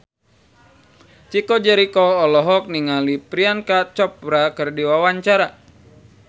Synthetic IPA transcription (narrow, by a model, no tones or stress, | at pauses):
t͡ʃikɔd͡ʒaɾikɔːlɔɦɔk̚niŋalipɾiankat͡ʃɔpɾakərdiwawaɲt͡ʃaɾa